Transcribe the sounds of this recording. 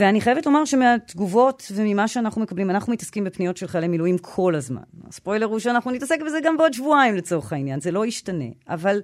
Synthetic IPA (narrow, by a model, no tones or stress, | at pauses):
veaniχajevetlo̞maʁʃemeat̪ɡuvo̞tve̞mimaʃeanaχnumekablimanaχnumitaskimbepnijo̞tʃelχalemiluimkʰo̞lazma̰na̰spo̞jleʁuʃeanaχnunitase̞k̚bezeɡambeo̞dʃvuaimlet͡so̞ʁeχainjanze̞lo̞iʃtane̞̰ʔa̰val